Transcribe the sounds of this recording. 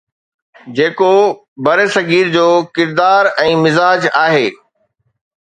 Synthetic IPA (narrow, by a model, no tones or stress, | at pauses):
d͡ʑeːko | bɐɾesɐɡiːɾd͡ʑoːkɪɾd̪aːɾɛ̃ːmɪzaːd͡ʑaːɦeː